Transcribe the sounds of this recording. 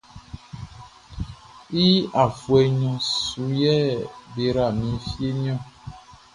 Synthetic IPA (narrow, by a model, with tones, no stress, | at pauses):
i˦a˨fwɛ˨ɲɔ̃˨su˨jɛ˦be˨ɾa˨mĩ˨˦fi˦e˦ɲ˦ɔ̃˦˨